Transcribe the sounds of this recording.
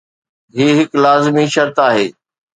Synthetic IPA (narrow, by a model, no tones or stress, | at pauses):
ɦiːɦɪklaːzɪmiʃɐɾt̪aːɦeː